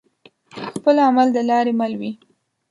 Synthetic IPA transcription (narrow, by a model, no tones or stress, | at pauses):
xpəlamald̪əlɑɾemalwi